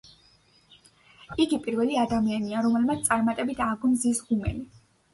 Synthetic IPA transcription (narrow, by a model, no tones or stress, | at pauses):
iɡipʼiɾvɛliad̪amianiaɾɔmɛlˠmat̪st̪sʼaɾmat̪ʼɛbit̪ʰaɡɔmzisʁumɛ̰li